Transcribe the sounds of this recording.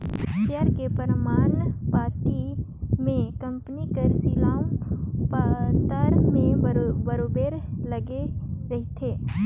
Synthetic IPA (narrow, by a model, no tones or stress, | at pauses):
t̪jaːɾkepəɾmaːnpaːɾʈi | mẽkɐ̃mpnikəɾsilãːpt̪əɾmẽbɐɾoːbeːɾlɐɡeɾɐɦit̪ʰeː